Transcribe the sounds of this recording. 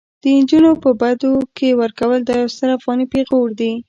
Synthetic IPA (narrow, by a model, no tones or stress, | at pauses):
d̪̥ənd͡ʒunopəbad̪okewəɾkawəld̪ɑjawst̪əɾafɣɑnipexowəɽd̪i